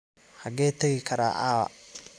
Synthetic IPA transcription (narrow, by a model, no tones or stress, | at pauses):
hɐɣɛːt̪ʰɐɣɪkʰɐɾa̰ːʔaːɐ̰